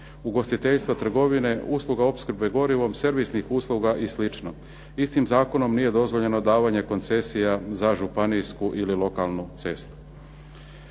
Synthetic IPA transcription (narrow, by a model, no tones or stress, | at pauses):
uɡo̞st̪it̪e̞ʎst̪ʋat̪r̩ɡo̞ʋine̞uːslˠuɡao̞pskɾbe̞ɡo̞ɾiʋo̞mseɾʋisnixuːslˠuɡaʔislit͡ʃno | ist̪imzaːko̞no̞mnije̞d̪o̞zʋo̞ʎe̞no̞d̪aːʋaɲe̞ko̞nt̪se̞sijazaʒupanijskuʔililo̞kalˠnut̪se̞st̪u̥